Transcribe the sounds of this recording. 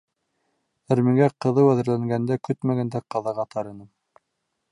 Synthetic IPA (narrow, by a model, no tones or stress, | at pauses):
æ̆ɾmɘ̆ŋɡæqɤ̆ðɤwæðɘ̆ɾlæŋɡænd̪ækɵt̪mæɡænd̪æqɑðɑʁɑt̪ʰɑɾɤ̆nɤm